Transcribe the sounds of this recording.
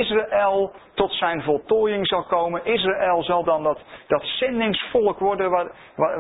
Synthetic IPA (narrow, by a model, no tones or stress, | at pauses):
ɪsraʔɛlˠtɔtsɛjnvɔlˠtoːjɪŋzɑlˠkowmənɪs̬raʔɛlˠzɑlˠdɑndtd̥ɑtsɛndɪŋsfɔlˠkʋɔɹdə